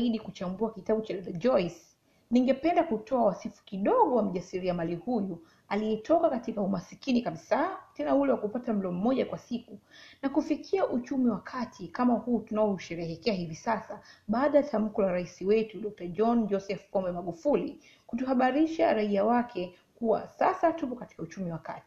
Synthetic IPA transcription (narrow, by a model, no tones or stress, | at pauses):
iɗikut͡ʃambuakitaɓut͡ʃaɗɔɗad͡ʒɔis | niŋɡɛpɛndakutʰɔawasifu̥kiɗɔɠɔwam̩ʄasiɾiamalihuju | aliɛtʰɔkakatikaumasikinikaɓisatɛnaulɛwakupatam̩lɔm̩mɔʄakwasikunakufikʰiaʔut͡ʃumiwakʰatʰikamahuːtunaɔuʃɛɾɛhɛkɛahivisasaɓaːɗajatʰam̩kɔlaɾaisiwɛtuɗɔk̚tad͡ʒɔnd͡ʒɔsɛfpɔmbɛmaɠufuli | kutuhaɓaɾiʃaɾaiawakʰɛ | kuwa̰sasatupɔkati̥kaut͡ʃumiwakati̥